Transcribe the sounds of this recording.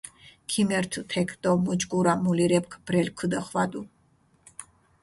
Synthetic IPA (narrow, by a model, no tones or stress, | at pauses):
kʰimɛɾt̪ʰt̪ʰɛkʰd̪ʼɔmud͡ʒɡuɾamuliɾɛp̚kʰb̥ɾɛlkʰəd̪əχvad̪u